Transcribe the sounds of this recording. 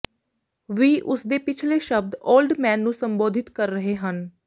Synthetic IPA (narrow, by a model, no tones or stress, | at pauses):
ʋiːʔʊsd̪eːpɪt͡ʃʰleːʃəb̚d̪oːlɖmɛːnːũːsəmboːd̪ʱɪt̪kəɾːəɦeːɦən